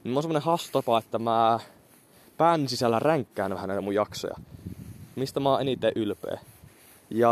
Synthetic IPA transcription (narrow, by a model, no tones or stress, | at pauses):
nimːonsemːonẽhɑst̪ɑpɑet̪ːæmæ | pæːnsisælːæræŋkːæːnʋæhænæˑit̪æmujjɑkso̰jɑ̰ | mist̪æmɑːʔenit̪ːˑeːʔylpḛː | jɑ